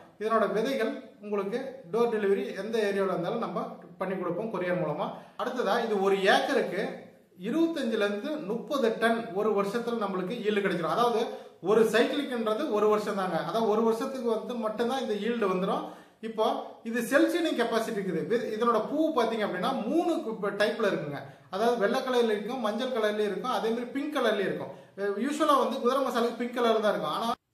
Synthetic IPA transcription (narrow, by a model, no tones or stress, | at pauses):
ɪðɐnoːɽɐʋɪðɐɪɣɐɭʊŋɡɐɭɯkːɯɖoːɾɖɪlɪʋɐɾiɛnd̪ɐeːɾɪjaːɭɐɾɯnd̪aːlɐnɐmbɐpɐɳːikːɔɽɯpːõːmkʊɾɐjaːɐmuːlɐmaːɐɽɯt̪ːɐðãːɪðɯɔɾɯeːkːɐɾɯkːɯ | ɪɾɯʋɐt̪ːɐɲd͡ʒɪlɛɾɯnd̪ɯnʊpːɐðɯʈɐnɔɾɯʋɐɾʂɐt̪ːɪlɐnɐmːɐɭɯk̬ːɯiːɭɖɯkɐɽɛk̬ːɪɾõːɐðaːʋɐðɯɔɾɯsɐɪklɪkːɛnrɐðɯɔɾɯʋɐɾʂɐ̃nt̪aːŋɡɐɐðaːʋɐðɐɔɾɯʋɐɾʂɐt̪ːɯkːɯʋɐnd̪ɯmɐʈːɯ̃nt̪ãːɪnd̪ɐiːɻɖɯʋɐnd̪ɯɾõː | ɪpːoːɪðɯsɛlt͡ʃɪnɪŋkɛpaːsɪʈːikːɯðɯʋɪɪðɐnoːɽɐpuːpaːɾt̪iːŋɡɐpːɐɽinːaːmuːɳɯʈɐɪpːɪlɐɪɾɯkːɯŋɡɐ | ɐðaːʋɐðɯʋɛɭːɐkːɐɭɐɾɪlɪɾɯkːʊ̃mɐɲd͡ʒɐlkɐɭɐɾɪliɪɾɯkːʊ̃ɐðeːmaːd̪ɾipɪŋkɐɭɐɾliɪɾɯkːʊ̰̃juːʂʋɐlaːʋɐnd̪ɯɡʊðɐɾɐmasaːlkːɯpɪŋkɐɭɐɾɪlt̪ãːɪɾɯkːʊ̃a̰ːnaː